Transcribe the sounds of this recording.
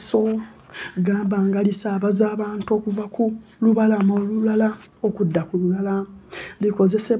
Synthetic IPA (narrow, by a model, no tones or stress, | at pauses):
so | ɡaːmbaːŋɡalisaːβazaːβaːntuo̞kuvakuluβalamo̞ːlulalao̞kudːakululalaliko̞ze̞se̞